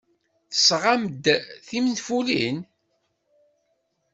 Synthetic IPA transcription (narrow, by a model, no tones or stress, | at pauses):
θə̥sʁamd̪θimnfulin